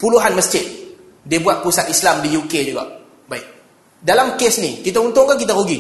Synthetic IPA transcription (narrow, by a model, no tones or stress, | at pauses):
puluɦanməst͡ʃɪt̚ | debuat̪̚pusakislamdijukeduɡa̰ | baik̚ | dalamkesnikit̪aunt̪oŋkak̬it̪aɣuɡi